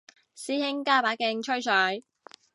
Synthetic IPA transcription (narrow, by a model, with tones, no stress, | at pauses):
siː˥hɪ˥ŋkaː˥˩paː˨˥kɪ˧ŋt͡ʃʰɵ˥ɥt͡ʃʰœː˨˧j